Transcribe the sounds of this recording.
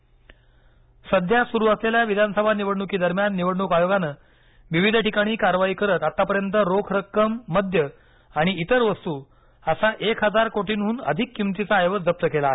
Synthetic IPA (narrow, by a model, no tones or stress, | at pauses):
səd̪ʱjasuɾuːəsleljaʋid̪ʱansəbʱaniʋəɽɳukiːd̪əɾmjanːiʋəɽɳukajoɡanə | ʋiʋid̪ʱʈikaɽ̃iːkaɾʋaiːkəɾət̪at̪ːapəɾjənt̪əɾokʰɾəkːəmːəd̪ʱjə | aɽ̃iːt̪əɾʋəst̪uː | əsaʔekʰɦəd͡zaɾkoʈiːnɦuːnə̰d̪ʱikːimt̪it͡saːjʋəd͡zəp̚t̪əkelaːɦe